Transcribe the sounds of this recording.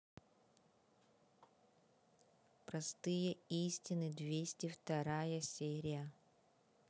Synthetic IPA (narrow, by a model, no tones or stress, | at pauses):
pɾɐst̪ɨjəisʲtʲɪnɨd̪vʲesʲtʲɪft̪ɐɾajəsʲeɾʲɪjə